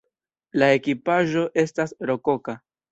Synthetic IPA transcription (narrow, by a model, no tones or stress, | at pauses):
lae̞kipaʒo̞ʔe̞stasɾo̞ko̞ka